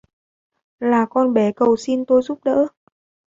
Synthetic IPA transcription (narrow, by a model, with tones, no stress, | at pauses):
laː˨˩kɔ˧nɓɛ˧˩kə˨˩wsi˧nt̪o˧jzu˦˥p̚ɗə̰ː˧˥